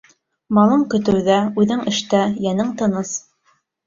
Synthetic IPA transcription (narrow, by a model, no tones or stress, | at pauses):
mɑlˠɤɴkɵ̆t̪ɘ̆wðæʉðɘŋɘ̆ʃt̪æjænɘŋt̪ɤ̆nɤs